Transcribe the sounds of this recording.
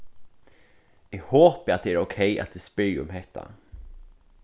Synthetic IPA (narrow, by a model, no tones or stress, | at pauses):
ɛɡhoːpəɾat̪̚d̪ɛæɾokʰɛjʔa̰t̪̚d̪̥ɛspʏːɔ̰mɦɛt̪ʰːa̰